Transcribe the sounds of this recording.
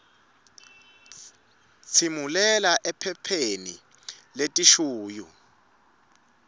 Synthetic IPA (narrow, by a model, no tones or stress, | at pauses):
t͡sʰimulɛlaʔɛpʰɛpʰenḭ | letʼiʃuːjṵ